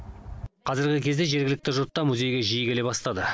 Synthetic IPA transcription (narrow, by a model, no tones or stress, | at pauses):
qʰɑzɪɾɡʲɪkʲʰe̞zd̪e̞ʒe̞ɾɡʲɪlɪk̚t̪ɪʒʊɾt̪ːɑmuzʲe̞jɡʲe̞ʒijɡʲele̞bɑst̪ɑd̪ə